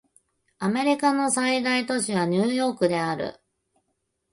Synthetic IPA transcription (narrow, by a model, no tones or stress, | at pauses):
ame̞ɾʲikano̞said̪ait̪o̞ɕiβaɲ̟ɨːjo̞ːkɯ̟d̪e̞aɾɯ̟̰